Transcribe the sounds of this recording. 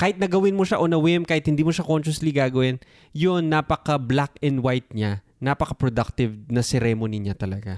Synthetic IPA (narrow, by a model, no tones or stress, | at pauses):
kaːhɪt̪̚nɐɡɐwɪnmoʃaʔonɐwɪmkaːhɪt̪̚hɪnd̪iːmoʃakonʃʊsliɡaːɡɐwɪn | jonːapɐkɐblakɛnd̪wajt̪̚ɲa | napɐkɐpɾod̪ak̚t̪ɪvnɐsɛɾɛmoniɲat̪ɐlɐ̰ɡa